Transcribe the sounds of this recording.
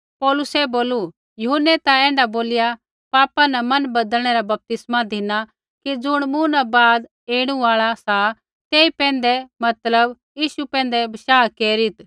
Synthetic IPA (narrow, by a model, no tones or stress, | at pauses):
pɔːlʊsɛboːlu | jʊɦənːɛt̪aɛ̃ːɳɖaboːlɪja | paːpanɐmɐnbɐd̪əlɽ̃ɛɾabɐp̚t̪ɪsmad̪ʱɪna | kid͡zʊɽ̃mũnabaːd̪ | eːɽ̃ũaːɭasa | t̪eːipɛ̃ːn̆d̪ɛmɐt̪ləb | jiːʃupɛ̃ːnd̪ɛbɐʃaːkeːɾɪt̪